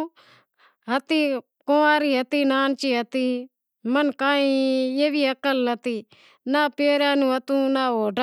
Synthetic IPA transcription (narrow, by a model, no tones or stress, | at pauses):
ɦət̪iː | kõːaːɾiːɦət̪iːnaːnt͡ʃiːɦət̪iː | mənkaːĩːeːʋiːəkəlnət̪iː | naːpeːɾjãːnũːət̪ũːnaːoːɖa